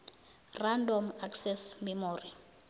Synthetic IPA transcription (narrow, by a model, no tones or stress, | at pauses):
randʱɔmaksɛsmɛmoːri